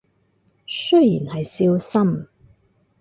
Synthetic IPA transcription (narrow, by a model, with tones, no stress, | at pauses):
sɵ˥jjḭː˨˩nhɐ˨jsiː˧wsɐ˥m